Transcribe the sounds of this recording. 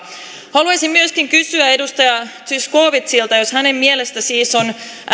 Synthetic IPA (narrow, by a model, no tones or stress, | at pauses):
hɑluɑsimmyøskiŋkysyæe̞dust̪ɑjɑt̪yskoːʋit̪silt̪ɑjoshæne̞mmielest̪æsiːson